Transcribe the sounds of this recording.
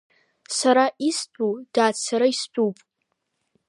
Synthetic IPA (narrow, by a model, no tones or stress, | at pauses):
saɾaist͡pʷʼud̥aːt͡sʰaɾaist͡pʷʼupʼ